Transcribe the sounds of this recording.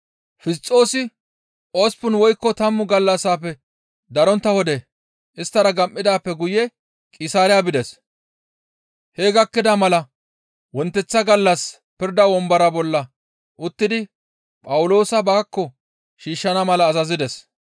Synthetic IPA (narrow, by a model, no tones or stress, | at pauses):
fɪst͡sʼːo̞ːsɪ | ʔoːspʊnwɔjkːɔt̪ɐmːʊɡɐlːɐsaːpːɛ | d̪ɐɾɔnt̪ːɐhɔd̪ɛ | ʔɪst̪ːɐɾɐɡɐmʔːɪd̪aːpːɛɡʊjɛ | kʼɪsaːɾɪjabɪd̪ɛs | heːɡɐkːɪd̪ɐmɐlɐ | wɔnt̪ːɛt͡sːɐɡɐlːɐs | pɪɾd̪ɐwɔmbɐɾɐbɔlːɐ | ʔʊt̪ːɪd̪ɪ | pʼɐwʊlo̞ːsɐbɐkːɔ | ʃiːʃːɐnɐmɐlɐːzɐzɪd̪ɛs